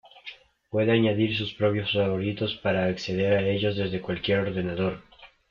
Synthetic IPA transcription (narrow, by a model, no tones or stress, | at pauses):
pwe̞ðeaɲaðiɾs̬uspɾo̞pjo̞sfaβo̞ɾit̪o̞spaɾaːkseðe̞ɾae̞ʝo̞zðe̞zðe̞kwalkje̞ɾo̞ɾðe̞naðo̞ɾ